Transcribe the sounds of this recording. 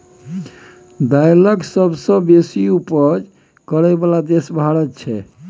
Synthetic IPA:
d̪ajləksəbsə̃besiupəɾ | kəɾɛbalad̪esbʱaɽət̪t͡ʃʰɛ

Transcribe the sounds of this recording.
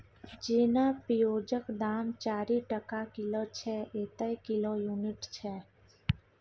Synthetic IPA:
d͡ʒeːnaːpijoːd͡ʒəkd̪aːmt͡ʃaːɾiːʈəkakɪloːt͡ʃʰɛːeːt̪əjkɪloːjuːnɪʈt͡ʃʰɛː

